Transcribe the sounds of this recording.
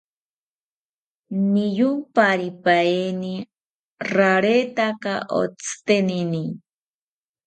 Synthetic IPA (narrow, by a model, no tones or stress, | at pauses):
nijupaɾipaeni | raɾet̪akaʔo̰t͡st̪enini